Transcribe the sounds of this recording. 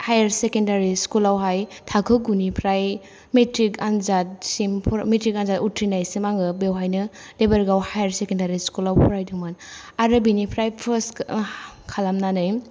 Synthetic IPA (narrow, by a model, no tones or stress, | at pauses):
hajaɾsekendaɾiskulawɦajtʰakʰɯɡunipʰɾaj | metɾikanzat̚simpʰmetɾikanzatutʰɾinajsimaŋɡɯbewɦajnɯ | debaɾɡawhajaɾsekendaɾiskulawpʰɔɾajdɯman | aɾɯbinipʰɾajpʰəs | kʰalamnanɯj